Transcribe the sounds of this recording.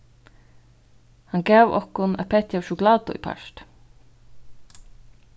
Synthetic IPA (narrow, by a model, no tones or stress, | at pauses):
hankɛːʋɔ̰hkʊnæ̰ðpʰɛːt̪jawʃʊklaːt̪ʊ̰ḭpʰa̰ʃt̪